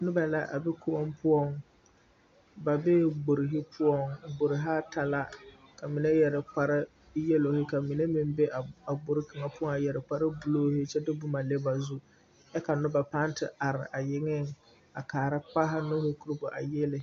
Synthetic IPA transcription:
nʊ˦ba˨la̰˦ʔa̰˨bɛ˦kʊ˦ɔ˦mpʊ˦ɔ˦ŋ | ba˨bɛ˦ɡ͡bʊ˨ɾɪ˨ɦɪ˦pʰʊ˦ɔ˦ŋ˨bʊ˨ɾɪ˨ɦa˦ta˨la˦ | ka˨mi˨ne˦jɛ˨ɾɪ˨k͡pa˨ɾɪ˦ | jɛ˦lo˨hɪ˦ka˨mi˨ne˦mɪ˦mbɛ˦a˨a˨bʊ˨ɾɪ˦ka˨ŋa˨pʊ˦ɔ˦ŋa˨jɛ˨ɾɪ˨k͡pa˨ɾɪ˦bʊ˨loː˦hɪ˦t͡ʃɛ˦dɪ˦bʊ˦ma˨le˦ba˨zu˦ | ɛ˦ka˨nʊ˦ba˨pa˦ntɪ̰˨a˨ɾɪ̰˨ʔa˨jɪ˦ŋɪ˦ŋ | a˨kaː˨ɾɪ˦k͡pa˦ɦa˦nʊ˦hɪ˦ku˦ɾbʊ˨ʔa̰˨jɛ˦lɪ˨

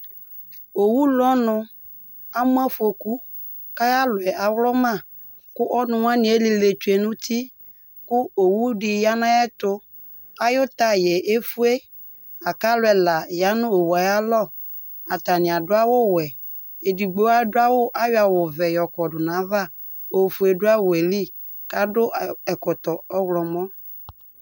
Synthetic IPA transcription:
o˨wu˦lɔ˦nʊ̃˨ | a˦mʊ̃˦a˦fu˦o˨ku˦ | ka˦ja˦lʊ˨ɛ˨a˨wlɔ˦mã˦˨ | kʊ˦ʔɔ˦nʊ̃˨wa˦nɪ̃˨˦e˦li˨le˨t͡ʃu˨˦e˨nʊ̃˦ti˦ | kʊ˦o˨wu˦dɪ˨ja˦nã˦ɛ˦tʊ˦ | a˦jʊ˦ta˦jɛ˨e˦fu˦e˦ | a˨ka˦lʊ˦ɛ˨la˨ja˦nʊ̃˦o˨wu˨a˨ja˦lɔ˦˨ | a˨ta˨nɪ̃˨a˨dʊ˦a˦wʊ˦wɛ˨ | e˨di˨ɡ͡bo˨˦a˦dʊ˦a˦wʊ˦ʔa˦ja˨wʊ˨vɛ˨jɔ˨kɔ˨dʊ˨nã˨˦va˦ | o˨fu˨e˨dʊ˦a˦wɛ˨li˦ | ka˦dʊ˦ɛ˨kɔ˨tɔ˨ɔ˦wlɔ˨mɔ̃˦

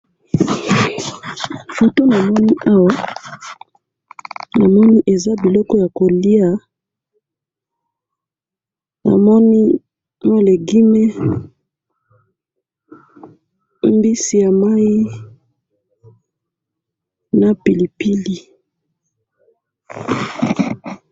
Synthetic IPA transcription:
fo˨to˦na˨mɔ˦ni˦ʔa˦wa˦ | na˨mɔ˦ni˦ʔe˨za˦bi˨lɔ˦kɔ˦ja˨ko˨li˦a˨ | na̰˨mɔ˦ni˦ | mo˦le˨ɡi˦me˦ | mbi˦si˨ja˨ma˦i˦ | na˨pi˨li˨pi˦li˨

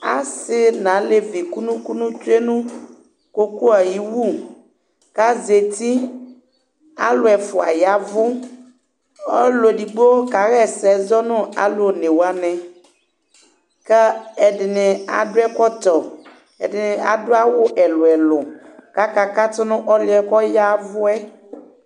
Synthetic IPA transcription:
a̰˦sɪ˦nã˨˦le˨vi˨ku˦nũ˦ku˦nũ˦t͡ʃu˦e˦nũ˦ | ko˦ku˦a˨ji˦wu˦ | ka˦ze˨t̪i˦ | a̰˦lo˨ɛ˨fo˨a̰˨ja˨vʊ˦ | o˦lo˨ɖi˨ɡ͡bo˦ka˨ɣɛ˦˨sɛ˨zɔ˦nɔ̃˦a̰˨lo˨nẽ˨wa˦nɛ̃˨ | ka˦ɛ˨ɖɪ˨nɛ̃˨a̰˨ɖʊ˦ɛ˦kɔ˦t̪ɔ˨ | ɛ̰˨ɖɪ˨nɛ̃˨a̰˨do˦a˦wʊ˦ʔɛ˨lo˨ɛ˨lɔ˨ka˦ka˦ka˦t̪ɔ˦nɔ̃˦ʔɔ˦li˦ɛ˨kɔ˦ja˦vʊ˦ɛ˦

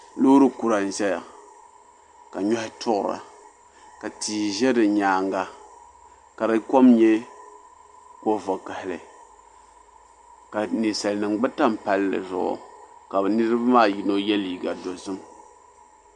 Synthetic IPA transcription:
lo˦ɾɨ˦ku˨ɾa˨n̩˨ʒɛ˦ja̰˨ | ka˨ɲɔ˦hɪ˦tʰʊ˦ʔʊ˨ɾa̰˨ | ka˨tiː˨ʒɛ˦dɨ˨ɲaː˨ŋɡa˦ | ka˨ɾɨ˦ko˦mɲɛ˦ | ko˨vo˨ka˨hɪ˨lɨ˨ | ka˨ni˨sa˨lnɨ˨ŋɡ͡bɨ˦ta˦mpa˨lːɨ̰˨zʊ̰˨ʔʊ̰˨ka˨bɨ˨nɨ˦ɾɨ˦ba˦maː˦˨ji˨no˦jɛ˦liː˨ɡa˨do˨zɨ˦m

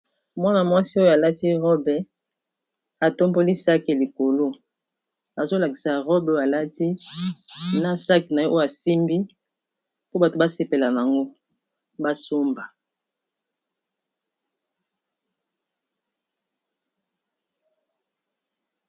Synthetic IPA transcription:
mwa˦na˨mwa˦si˦o˦jo˨a˨la˦ti˦ʁɔ˦bɛ˨ | a˨to˦mbo˦li˦sa˦ke˨li˨ko˨lo˦ | a˨zo˦la˨ki̥˨sa˨ʁɔ˦bja˨la˦ti˦ | na˦sa˦ki˨na˨jɔ˦ʔo˦o˦˨a˨si˦mbi˦ | po˦ba˨to˨ba˦se˦˨pe˨la˨n˨a˨ŋɡo˦ | ba˦so˦mba˨

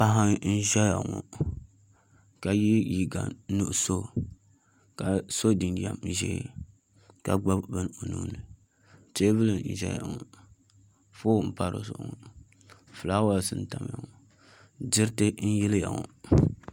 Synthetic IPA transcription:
pa˦ɦa˦n̩˦ʒɛ˦ja̰˨ŋɔ̰˨ | ka˨ji˦ji˨ɡa̰˨nu˦˨ʔso˦ | ka˨so˦di˨nɡi˨a̰˨m˨ʒɛ̰˦ | ka˨ɡ͡ba˦bbɨ˦n˦o˨nṵ˦nɨ˨ | te˦bɨ˦lɨ˨˦ʒɛ̰˦ja̰˨ŋɔ˨ | foː˦˨m̩˨pa˦ɾo̰˨zʊ̰˨ʔʊ˨ŋɔ˨ | fɨ˨la˦wa˨sɨ˦˨n̩˦ta˨m˦ja̰˨ŋɔ˨ | d͡ʒɪ˦ɾtɨ˦n̩˦jɛ˦lja̰˨ŋɔ̰˨

